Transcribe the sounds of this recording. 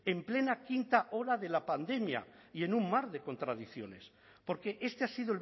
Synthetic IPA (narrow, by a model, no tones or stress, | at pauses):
e̞mple̞nakint̪aʔo̞ɾaðe̞lapand̪e̞mja̰ie̞nũmmaɾðe̞ko̞nt̪ɾaðiθjo̞̰ne̞s | po̞ɾke̞ʔe̞st̪easiðol